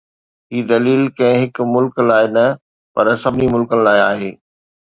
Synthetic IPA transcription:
ɦiːd̪ɐliːlkɐ̃ɦɪ̃ɦɪk̆mʊlklaːɪnɐ | pɐ̰ɾsɐbɪnimʊlkənɪ̆laːɪaːɦeː

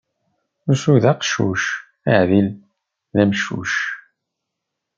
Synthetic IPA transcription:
usuðaqʃṵʃ | æʕðil | ðæmʃṵʃ

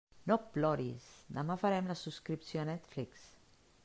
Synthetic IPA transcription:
noplɔɾisd̪amãfaɾɛmlasuskɾipsjoanɛt̪fliks

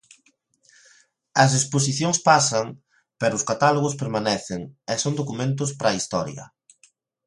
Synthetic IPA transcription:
ɐzðespos̬iθjoŋspasɐŋ | pɛɾʊʊskat̪aloɣʊspeɾmanɛθɪŋɛsoŋd̪okumẽnt̪ʊspɾɐist̪ɔɾjɐ̰

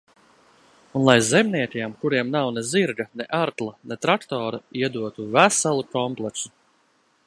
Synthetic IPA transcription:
unlˠajzemniɛt̪ʲiɛmkuɾiɛmnawneziɾɡɐneʔaɾt̪lˠanet̪ɾakt̪ɔːɾaiɛd̪uɔt̪uvæsalˠukɔmplˠɛk̪su

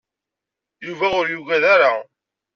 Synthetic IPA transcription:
juvæʊɾjuʝæðaɾa

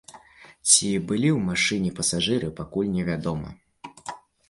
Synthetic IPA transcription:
t͡sʲibɨlʲiwmaʂɨnʲɛpɐsaʐɨɾɨpakulʲnʲɛvʲad̪ɔmɐ̰

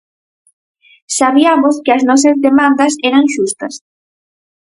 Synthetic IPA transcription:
saβ̞iamoskɪɐznɔs̬ɐzðemãnd̪ɐsɛɾɐŋʃust̪ɐs

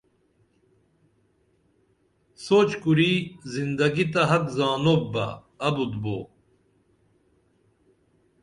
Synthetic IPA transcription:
soːt͡ɕkuɾiːzind̪ɐɡit̪ɐɦɐkzaːnobbːɐ̰ː | bud̪bo̰ː

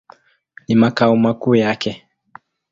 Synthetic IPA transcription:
nimakaumakujakɛ

